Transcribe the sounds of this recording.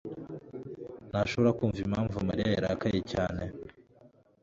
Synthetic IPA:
naʃoβoɾakuːɱvimaːɱvumaɾijajaɾa̰kajecaːne

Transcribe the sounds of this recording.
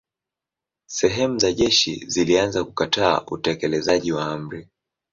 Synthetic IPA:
sɛɦɛmuzaʄɛʃḭzilianzakukatʰa̰ːʔutɛkɛlɛzaʄiwaam̩ɾi

